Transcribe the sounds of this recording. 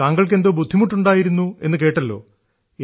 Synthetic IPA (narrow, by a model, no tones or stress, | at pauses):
aːŋɡɐɭk̬e̞nd̪oːbud̪ʱːimuʈːuɳɖaːjiɾunːue̞̰nːɨke̞ːʈːɐlːo̞̰ː